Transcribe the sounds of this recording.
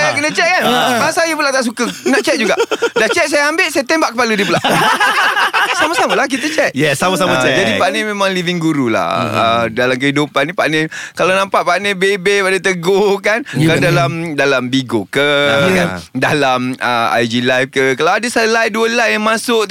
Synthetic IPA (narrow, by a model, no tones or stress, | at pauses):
ajakənət͡ʃɛʔ̪̚kanmasajəpulat̪aʔs̬ukəənaʔ̚t͡ʃɛʔ̪̚d͡ʒuɡaʔdat͡ʃɛʔ̪̚s̬ajaambɪʔsajat̪ɛmbaʔkəpalədipulaʔ | saməsaməlahk̬it̪ət͡ʃɛt̪̚jɛsaməsaməɛd͡ʒadipanẽmẽmãŋliviŋɡuɾula̰ə̰dalamk̬əhidupanːipaʔnẽkalanãmpaʔpaʔnebebepadət̪əɡokankadalamdalambiɡokə | dalamə̰a̰jd͡ʒilajfkəkalawadəsəlajduəlajjaŋmasʊʔ